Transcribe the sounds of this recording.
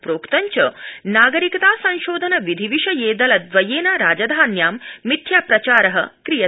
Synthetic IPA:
pɾoːkt̪ɐɲt͡ɕɐnaːɡɐɾikɐt̪aːsɐ̃w̃ʃoːd̪ʱɐnɐʋid̪ʱiʋiʂɐjeːd̪ɐlɐt̪ʋɐjeːnaɾaːd͡ʒɐd̪ʱaːnjaːmːit̪ʰjaːpɾɐt͡ɕaːɾɐɦɐ̰kɾijɐ

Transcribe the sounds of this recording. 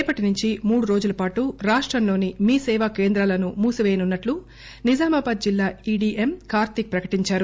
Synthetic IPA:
pɐʈinuɲt͡ʃimuːɽuɾo̞ːd͡ʒulɐpaːʈuɾaːʂʈɾɐmlo̞ːnimiːsɛːʋakeːnd̪ɾaːlɐnumuːsiʋeːjɐnunːɐʈlu | nid͡ʒaːmɐbaːd̪̚d͡ʒilːaːiɖiːʔemkaːɾt̪ik̚pɾɐkɐ̥ʈiɲt͡ʃaːɾu

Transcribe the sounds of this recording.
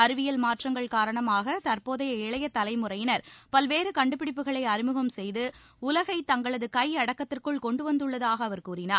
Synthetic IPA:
ɐɾɯʋɪjɐlmaːʈrɐŋɡɐɭkaːɾɐɳɐmaːɣɐt̪ɐɾpoːðɐjɐɛɭɐjɐt̪ːɐlɐɪmɯrɐjɪnɐɾpɐlʋeːɾɯkɐɳɖɯpːɪɽɪpːɯɣɐɭɐɪɐɾɪmɯɣɐmsɛjðɯ | ʊlɐɣɐɪt̪ɐŋɡɐɭɐðɯkɐjɐɽɐkːɐt̪ːɪrkɯɭkɔɳɖɯʋɐnd̪ɯɭːɐðaːɣɐːʋɐɾkuːrɪnaːɾ

